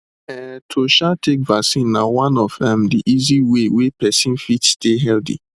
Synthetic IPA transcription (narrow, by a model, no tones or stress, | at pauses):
ɛtʰoʃatekvaksĩnːawãnɔvdɛ̃mdiʔiziwewepɛsĩnfitsteɦɛldḭ